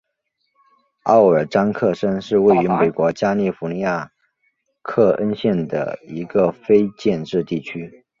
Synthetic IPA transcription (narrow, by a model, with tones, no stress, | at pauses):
ɑ˥˩ʊə˞˨˩ʈ͡ʂɑ˥ŋkʰɤ˥˩ʂə˥nʂɻ̩˥˧we˥˩ɪy˧˥me˨˩ɪkwɔ˧˥t͡ɕja˥li˥˩fu˧˥ni˧˥ja˥˧ | kʰɤ˥˩ʔə˥nɕjɛ˥˩nd̪ə̰˩i˧˥ɡə˧fe˥ɪt͡ɕjɛ˥˧nʈ͡ʂɻ̩˥˧t̪i˥˩t͡ɕʰy˥